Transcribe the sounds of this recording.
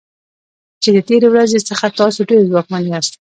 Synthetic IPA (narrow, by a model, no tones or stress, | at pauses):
t͡ʃed̪ət̪eɾewɾazesəxat̪ɑsoɖeɾzwɑk̚maniɑst̪